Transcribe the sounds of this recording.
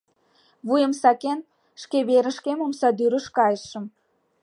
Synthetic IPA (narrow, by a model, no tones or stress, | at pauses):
βujə̆msɑken | ʃkeβeɾə̆ʃkemomsɑd̪yɾə̆ʃkɑjəʃə̆m